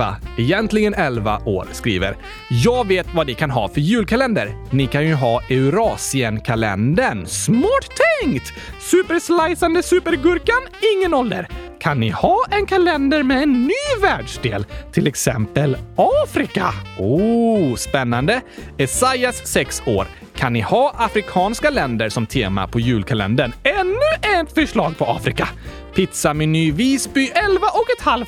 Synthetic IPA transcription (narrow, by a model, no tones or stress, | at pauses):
a̰ɛjɛnt̪lɪɡənɛlva̰ʔo̰ːɾskɾḭːvə̰ɾ | jɑːɡveːt̪vad̪ɪkʰanɦɑ̰ːfœɾjʉ̟ːlkʰalɛnd̪əɾnɪkʰanjɵɦɑːɛʉɾɑːsɪənkʰalɛ̰nd̪əɳsmɑːʈt̪ʰːɛŋt̪ | sʉːpəɾslajsand̪əsʉːpəɾɡɵɾkanɪŋːənɔld̪ə̰ɾkʰanːɪhɑːʔɛnkʰalɛnd̪əɾmɛɛnːyːvæːɖʂd̪ḛːlt̪ʰɪlɛksɛ̰mpəlɑːfɾɪka̰oːspɛnːand̪əɛsajasːɛkso̰ːɾ | kʰanːɪhɑːʔafɾɪkʰɑːnskalɛnd̪əɾsɔmt̪ʰḛːma̰pʰɔjʉ̟ːlkʰalɛ̰nd̪əɳɛnːɵɛt̪fœʂɭɑːɡ̚pʰɔɑ̰ːfɾɪka | pʰɪt̪samɛnyːviːsbyʔɛlvaʔɔkɛt̪hal